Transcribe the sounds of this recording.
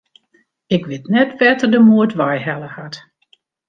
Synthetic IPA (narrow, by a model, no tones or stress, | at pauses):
ɪkʋɪtnɛtfɛtərdəmuətʋajhɛləhat